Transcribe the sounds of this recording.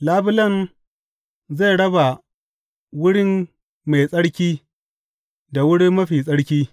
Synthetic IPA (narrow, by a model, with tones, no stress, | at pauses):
laː˦bɪ˦lɐ˦˨n | za˦˨jɽɐ˦ba˨ | wʊ˦ɽɪ˦m | me˨jsʼɐ˦ɽkʲiː˦ | da˨wʊ˦ɽi˦mmɐ˦ɸiː˨sʼɐ˦ɽkʲiː˦